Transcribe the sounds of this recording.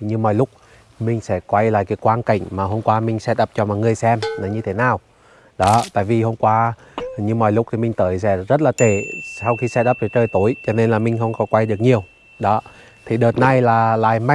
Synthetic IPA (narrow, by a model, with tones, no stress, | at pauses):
ɲɨ˧mɔ̰˨˩jlʊ˦˥k͡p̚ | mï˨˩ŋ̟sɛ̰˧˥kwa˧jla̰ː˧˨jkaː˨˦jkwaː˧nka̰˧˩jŋ̟maː˨˩ɦo˧mkwaː˧mï˨˩ŋ̟sɛ˧˦˥ɗə˦˥p̚t͡ɕɔ˧mɔ̰˧˨jŋɨ˨˩əjsɛ˧mnə˨˦ɲɨ˧t̪ʰe˨˦naː˨˩w | ɗɔ˨˦t̪a̰ː˧˨jvi˨˩ɦo˧mkwaː˧ | ɲɨ˧mɔ˨˩jlʊ˦˥t̪ʰi˨˩mï˨˩ŋ̟t̪əː˨˦jsɛ̰˧˥zə˦˥t̚laː˨˩t̪e˧˩sa˧wxi˧sɛ˧˥tɗə˦p̚və˨˩t͡ɕəː˧jt̪u˧˩˦əjt͡ɕɔ˧ne˧nlaː˨˩mï˨˩ŋ̟xə˧wŋ͡mkɔ˨˦kwa˧jɗɨ˨˩ək̚ɲi˨˩əw | ɗɔ˨˦ | t̪ʰi˨˩ɗəː˨˩t̚na˧jlaː˨˩la̰ː˧˨jma˧